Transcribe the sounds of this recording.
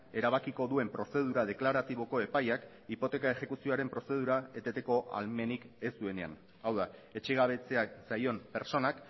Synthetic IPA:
e̞ɾaβ̞akiko̞ðue̞mpɾo̞se̞ð̞uɾað̞e̞klaɾat̪iβo̞ko̞e̞pajak | ipo̞t̪e̞kae̞xe̞kusio̞aɾe̞mpɾo̞se̞ð̞uɾae̞t̪e̞t̪e̞ko̞ʔa̰lme̞nike̞st̪ue̞ne̞a̰n | awðae̞t͡ʃe̞ɣ̞aβ̞e̞t͡se̞asajo̞mpe̞ɾt͡so̞nak

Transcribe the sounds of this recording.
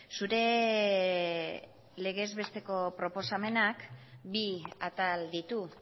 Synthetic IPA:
suɾe̞ | le̞ɣ̞e̞zβe̞st̪e̞ko̞pɾo̞po̞same̞nakbiat̪ald̪it̪u

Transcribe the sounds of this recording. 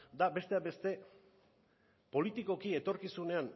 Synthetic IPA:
d̪abe̞st̪e̞abe̞st̪e̞ | po̞lit̪iko̞kie̞t̪o̞ɾkisune̞an

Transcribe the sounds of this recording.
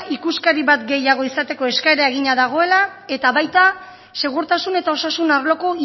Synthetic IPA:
ikuskaɾiβat̪ɡe̞jaɣ̞o̞isat̪e̞ko̞e̞skaeɾae̞ɣiɲaðaɣ̞o̞e̞lae̞t̪aβajt̪a | se̞ɣ̞uɾt̪asune̞t̪ao̞sasunaɾlo̞ko̞i

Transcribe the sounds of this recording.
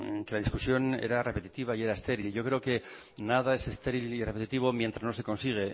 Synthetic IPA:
ke̞laðiskusjo̞nḛɾare̞pet̪it̪iβaie̞ɾaest̪e̞ɾilʝo̞kɾe̞oke̞ | nað̞ae̞se̞st̪e̞ɾilire̞pet̪it̪iβ̞o̞mje̞nt̪ɾazno̞se̞ko̞nsiɣ̞e

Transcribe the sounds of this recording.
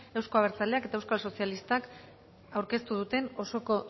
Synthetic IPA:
e̞wsko̞aβɾt͡sale̞ake̞t̪aewskalso̞sialist̪ak | awɾke̞st̪uðut̪e̞no̞so̞ko̞

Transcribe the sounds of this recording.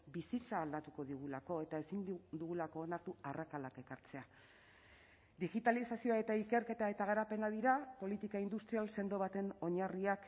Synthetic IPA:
bisit͡saːld̪at̪uko̞ðiɣulako̞e̞t̪ae̞sind̪uɣulako̞ːnaɾt̪uarakalake̞kaɾt͡se̞a | d̪iɣit̪alisasio̞ae̞t̪aike̞ɾke̞t̪ae̞t̪aɣ̞aɾape̞nað̞iɾapo̞lit̪ikaind̪ust̪ɾialse̞nd̪o̞βat̪e̞no̞ɲariak

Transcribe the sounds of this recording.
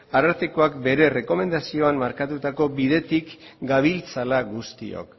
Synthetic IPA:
aɾaɾt̪ikoakbe̞ɾe̞re̞ko̞me̞nd̪asio̞ammaɾkat̪ut̪ako̞biðe̞t̪ikɡaβ̞ilt͡salaɣust̪ḭo̞̰k

